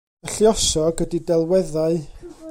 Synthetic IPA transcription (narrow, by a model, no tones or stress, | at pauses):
əɬjɔʃɔɡədidɛlˠwɛðaɨ